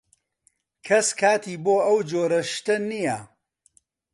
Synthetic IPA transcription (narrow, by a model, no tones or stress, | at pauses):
kʰɐskʰaːt̪ʰiːboːʔɐwd͡ʒoːɾɐʃt̪ɐnijɐ